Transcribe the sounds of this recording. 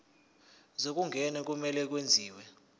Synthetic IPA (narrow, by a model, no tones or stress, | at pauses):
zok̬uŋɡʱɛnɛk̬umɛlɛk̬wend͡zʱiːwɛ